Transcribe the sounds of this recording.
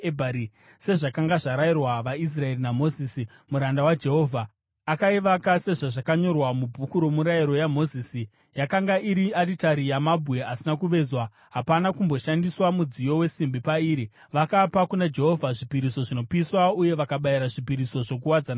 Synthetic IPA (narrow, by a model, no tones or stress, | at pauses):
ebʱaɾi | se̞ʐakaŋɡaʐaɾairwaʋais̬rae̞rinamo̞zisi | muɾandawad͡ʒe̞ɦo̞ːvʱa | akaiʋakase̞ʐaʐakaɲo̞rwamubʱukuɾo̞muɾaiɾo̞jamo̞ziːsi | jakaŋɡaiɾiaditaɾijamabʱue̞asinakuʋe̞zwa | ɦapanakumbo̞ʃandiswamud͡zijo̞we̞simbipaiːɾi | ʋakapakunad͡ʒe̞ɦo̞vʱaʐipiɾiso̞ʐino̞piswauje̞ʋakaɓaiɾaʐipiɾiso̞ʐo̞k̬uwad͡zana